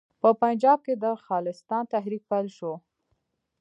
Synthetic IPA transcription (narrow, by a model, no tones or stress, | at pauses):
pəpand͡ʒɑb̚ked̪əxɑlɪst̪ɑnt̪aɦɾik̚palʃo